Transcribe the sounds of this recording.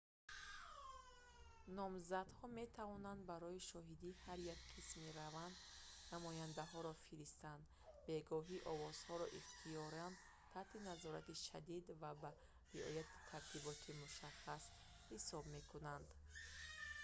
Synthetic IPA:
nɔmzad̪hɔme̞t̪ʰavɔnand̪baɾɔiʃɔɦid̪ihaɾjakqʰismiɾavand̪namɔjand̪aɦɔɾɔfiɾist̪and̪ | be̞ɡɔɦiʔɔvɔz̥hɔɾɔʔiχt̪ʰijɔɾand̪ | t̪ʰaht̪ʰinazɔɾat̪iʃa̰d̪id̪vaba | ɾiɔ̰jat̪ʰi̥t̪ʰaɾt̪ʰibɔt̪ʰimuʃaχas | hisɔbme̞kʰunand̪

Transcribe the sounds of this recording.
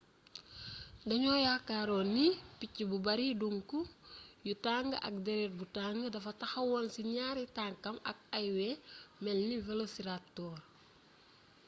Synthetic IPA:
dɐɲɔːjakaːɾɔnːipicːibubɐɾiduŋkujutaŋɡəʔɐ̰k̚dɛɾɛɾbutaŋɡədɐfɐtɐxɐwɔnsiɲaːɾitaŋkɐmɐ̰k̚ɐjwɛmɛlːivɛlosiɾatːɔː

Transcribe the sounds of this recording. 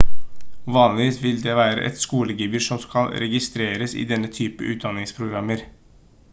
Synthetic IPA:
ʋɑːnlɪʋiːsʋɪld̪ɛʋæːɾə̰ʔɛ̰t̪skuːləɡiːbəʂɔmskɑlɾɛɡɪst̪ɾeːɾəsɪ̰d̪ɛnːət̪ʰyːpə̰ʔʉːt̪̚d̪ɑnːɪŋspʰɾʊɡɾɑmːəɾ

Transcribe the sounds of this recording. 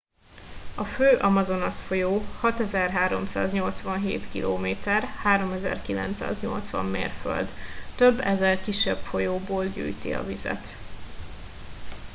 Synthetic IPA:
ɒføːʔɒmɒzo̞nɒsfo̞joːhɒt̪ɛzɛrɦaːɾo̞̰msa̰ːzɲo̞lt̪sʋɒnɦeːt̪kiloːmeːt̪ɛrhaːɾo̞mɛzɛ̰rkilɛ̰nt̪sa̰ːzɲo̞̰lt̪sʋɒ̰mːḛːrfø̰ld̪t̪øbːɛzɛrkiʃːɛbfo̞joːboːlɟy̰ːjt̪ḭɒ̰vizɛ̰t̪

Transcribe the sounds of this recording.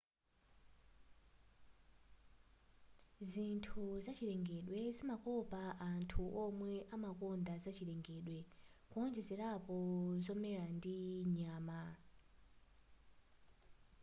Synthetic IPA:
zintʰuzat͡ʃʰiɾɛŋɡɛɗwɛzimakɔpaʔantʰuʔɔmwɛʔamakɔndazat͡ʃiɾɛŋɡɛɗwɛkuɔnd͡ʒɛzɛɾapɔzɔmɛɾandiɲaːma

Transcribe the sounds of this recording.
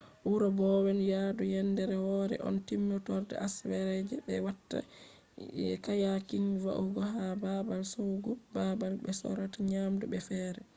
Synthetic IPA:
ʔuɾɔbɔwɛnjadujɛndɛɾɛwɔːɾɛ̰ʔɔ̰ntimːɔtɔɾdɛ̰ʔaswɛɾɛd͡ʒɛbɛwatːa̰ | jɛ̰kajakinva̰ʔuɡɔɦababalsowɡubabalbɛsɔ̰ɾataɲamdubɛfɛːɾɛ

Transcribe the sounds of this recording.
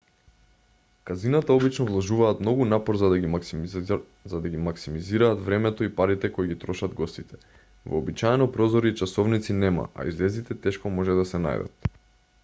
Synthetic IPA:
kazinat̪aɔbit͡ʃnɔvlˠɔʒuvaːt̪mnɔɡunapɔɾza | zad̪aɡimaksimiziɾaːt̪vɾɛmɛt̪ɔipaɾit̪ɛkoiɡit̪ɾɔʃad̪ɡɔst̪it̪ɛ̥ | vɔ̰ːbit͡ʃajɛnɔpɾɔzɔɾiːt͡ʃasɔvnit̪sinɛma̰ʔa̰ḭzlɛzit̪ɛt̪ɛʃkɔmɔʒɛd̪asɛna̰jd̪a̰t̪

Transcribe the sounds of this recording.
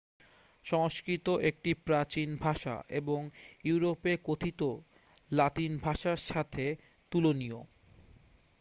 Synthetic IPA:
ʃɔŋʃkɾit̪oʔek̚ʈipɾat͡ɕinbʱaʃa̰ʔeboŋjuuɾopekot̪ʰit̪o | lat̪inbʱaʃaɾʃat̪ʰe | t̪ulonio̰

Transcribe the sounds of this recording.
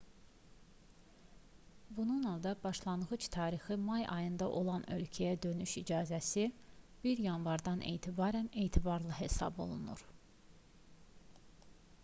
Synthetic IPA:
bununolˠd̪ɑbɑʃlˠɑnʁɯt͡ʃt̪ʰɑːɾixɯmɑjʔɑ̰jɯnd̪ɑʔo̞lˠɑnø̞lcʰæjæd̪ø̞nyʃid͡ʒɑːzæsi | b̥iɾjɑnvɑɾd̪ɑnʔe̞̰jt̪ʰibɑːɾæne̞jt̪ʰibɑɾlˠɯɦe̞sɑ̰bo̞lˠunṵɾ

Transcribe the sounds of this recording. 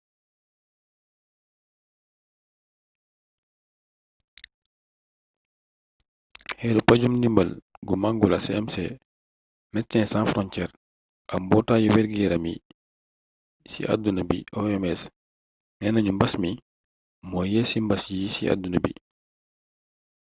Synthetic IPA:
hɛːlupaɟumnimbɐlɡumaŋɡulɐsɛɛmsɛ | mɛtːɛ̃nsãnfɾɔncɛːɾ | ʔɐmbɔtaːjuwɛɾɡɛɾɐmi | sḭʔa̰dunabḭʔɔɛmɛs | nɛnɐɲumbɐsmi | mɔjɛːsimbɐsjisiʔa̰dunɐbḭ

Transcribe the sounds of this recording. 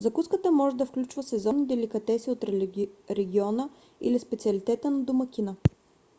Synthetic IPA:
zɐkuskət̪əmɔʒɛd̪ɐfklʲut͡ʃvəsɛzɔnid̪ɛlikɐt̪ɛsiot̪ɾɛɡʲiɔnə | ḭlispɛt̪siəlit̪ɛt̪ənɐd̪omɐkʲinə

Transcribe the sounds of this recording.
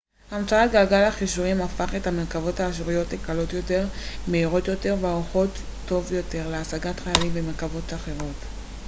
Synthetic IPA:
amt͡saatɡalɡalaχiʃuʁimafaχe̞thame̞ʁkavo̞thaːʃuʁijo̞tlekalo̞tjo̞te̞ʁmeiʁo̞t̪jo̞te̞ʁveaʁuχo̞tː | o̞vjo̞te̞ʁleasaɡatχajalimbeme̞ʁkavo̞taχe̞ʁo̞t

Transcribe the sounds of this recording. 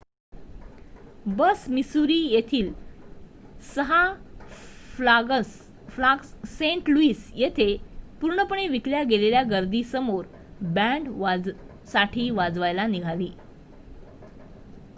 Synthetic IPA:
bəsmisuɾiːjet̪ʰiːl | səɦa | flaɡssẽɳʈluiːsjet̪ʰepuɾɳəpəɳeʋikljaɡeleljaɡəɾd̪iːsəmoɾ | bæ̃ɳɖʋ | saʈʰiːʋad͡zʋajlaniɡʱaliː

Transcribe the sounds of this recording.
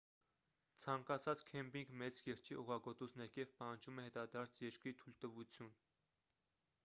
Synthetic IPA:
t͡sʰɑŋkɑt͡sʰɑt͡skʰɛmbiŋɡmɛt͡sjɛɾt͡ʃʰiʔuʁɑɡɔt̪usnɛɾkɛvpɑhɑnd͡ʒʰumɛhɛt̪ɑd̪ɑɾt͡sʰjɛɾkɾit̪ʰult̪əvut͡sʰjun

